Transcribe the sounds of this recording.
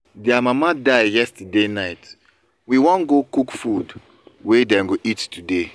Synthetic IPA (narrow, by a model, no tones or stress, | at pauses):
dɛamamadaɪjɛstadenaɪt | wiwɔ̃nɡokukfud | wedɛ̃nɡoʔittude